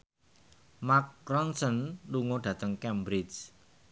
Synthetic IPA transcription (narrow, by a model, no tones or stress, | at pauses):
mak̚ɾɔnsənluŋoɖ̥ä̤t̪əŋkɛmbɾɪt͡ʃ